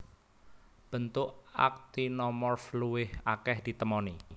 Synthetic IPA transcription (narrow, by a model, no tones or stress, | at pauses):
b̥ə̤nt̪ʊʔa̰k̚t̪inɔmɔrfluwɪhakɛhd̪̥i̤t̪əmɔni